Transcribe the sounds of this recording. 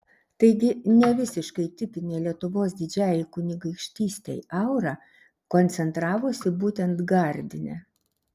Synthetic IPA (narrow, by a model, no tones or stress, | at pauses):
t̪ɐɪɡʲɪnʲɛʋʲɪsʲɪʃkɐɪt̪ʲɪp̪ʲɪnʲeːlʲiɛt̪ʊʋoːsd̪ʲɪd͡ʒʲæːjɛkʊnʲɪɡɐɪkʃʲt̪ʲiːsʲt̪ʲḛɪɐʊɾɑː | konʲt̪sʲɛnt̪ɾɑːʋoːsʲɪbuːt̪ʲɛnt̪ɡɐɾʲd̪ʲɪnʲɛ̰